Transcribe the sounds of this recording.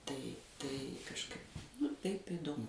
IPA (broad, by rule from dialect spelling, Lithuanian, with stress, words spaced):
ˈtɐɪ tɐɪ kɐʃˈkɐɪp nʊ ˈtɐɪp ɪdoːˈmʊ